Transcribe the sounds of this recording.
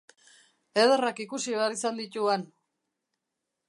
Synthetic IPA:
eðerakikusiβeaɾisand̪it̪uan

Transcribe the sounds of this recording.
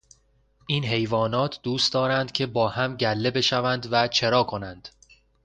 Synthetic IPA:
ʔiːnɦe̞jvɒːnɒːt̪ʰd̪uːst̪d̪ɒːɾænd̪̥cʰe̞bɒːhæmɟælːe̞be̞ʃævænd̪væt͡ʃʰe̞ɾɒːkʰo̞nænd̪̥

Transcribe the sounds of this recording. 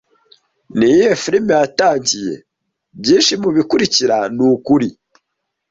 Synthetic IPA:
nijefiɾimejataːɲɟije̞̰ | bɟiːnʃimuβikuɾiciɾanukuɾi

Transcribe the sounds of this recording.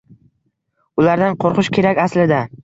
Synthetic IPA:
ʊlaɾd̪anqʰoɾqʊʃkʲʰe̞ɾakʲaslɪd̪a

